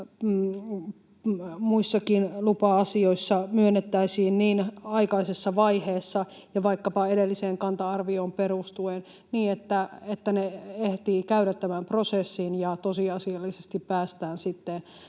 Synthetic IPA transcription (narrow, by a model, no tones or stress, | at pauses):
muisːɑkinlupɑɑsioisːɑmyønːet̪ːæisiːnniːnɑikɑisesːɑʋɑiheːsːɑ | jɑʋɑikːɑpɑedelːiseːŋkɑnt̪ɑɑrʋiomperust̪uen | niːet̪ːæet̪ːæneeht̪iːkæyɾæt̪ːæmæmprosesːinjɑt̪osiɑsiɑlːisest̪ipːæːst̪æːnsit̪ːe